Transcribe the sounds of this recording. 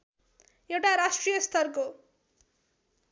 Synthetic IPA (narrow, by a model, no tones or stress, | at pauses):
jewʈaɾasʈrijʌst̪ʰʌrko